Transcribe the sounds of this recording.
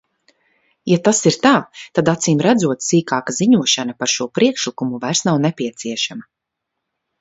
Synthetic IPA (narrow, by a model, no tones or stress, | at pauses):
jat̪asiɾt̪aːt̪ad̪at̪siːmɾæd̪zuɔt̪siːkaːkaziɲuɔʃanapaɾʃuɔpɾiɛkʃlikumuvajɾsnawnɛpiɛt̪siɛʃama